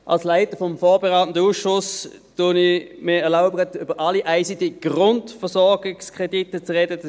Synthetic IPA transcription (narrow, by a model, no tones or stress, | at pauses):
ʔa̰lslaɪtəfɔmfɔːbeʁaːtən̩dəuːsʃʊs | tunimɪɛɐlaʊbəʁətøb̥əʔaliʔaɪsidiɡ̥ʁʊntfəɐsɔɐɡɪkskʁ̥editət͡sʁɛdə